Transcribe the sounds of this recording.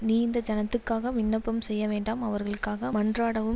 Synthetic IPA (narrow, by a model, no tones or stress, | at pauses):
niːɪnd̪ɐd͡ʒɐnɐt̪ːɯkːaːɣɐmɪnːɐpːɐmsɛjːɐʋeːɳɖaːmɐʋɐɾɣɐɭɯkːaːɣɐmɐɳdraːɽɐʋɯm